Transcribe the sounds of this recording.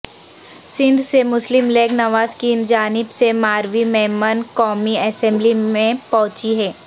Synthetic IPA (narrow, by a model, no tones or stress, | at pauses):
sɪ̃nd̪ʱsemʊslɪmleːɡnɐʋaːzkiːnd͡ʒaːnɪbsemaːɾʋimɛːmənkɔːmiɛsɛ̃mblimẽpɐɦʊ̃t͡ʃiɦɛː